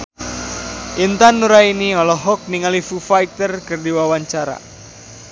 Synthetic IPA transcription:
ʔint̪anːuɾainiɔlɔɦɔk̚niŋalifufajt̪ərkɨrdiwawaɲt͡ʃaɾa̰

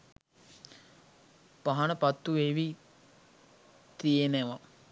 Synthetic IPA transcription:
paɦanəpat̪ːueʋi | t̪ijeneʋa

